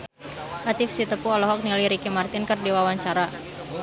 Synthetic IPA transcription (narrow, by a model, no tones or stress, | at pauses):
ʔat̪ɪfsit̪əpuɔlɔɦɔk̚niliɾikimart̪ɪnkərdiwawaɲt͡ʃaɾa